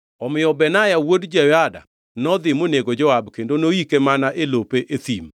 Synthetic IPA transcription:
ɔmɪjɔbɛnajawodd͡ʒɛwada̰ | nɔd̪ɪmoneɡod͡ʒɔwabkendonoikemanaʔelopeʔet̪im

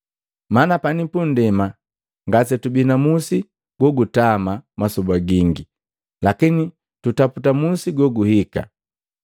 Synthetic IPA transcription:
manapanipun̩dɛma | ŋɡasɛtubinamusi | ɡ̥wɔɡutamamasɔbaɡiŋɡi | lakini | tutaputamusiɡɔɡuhika̰

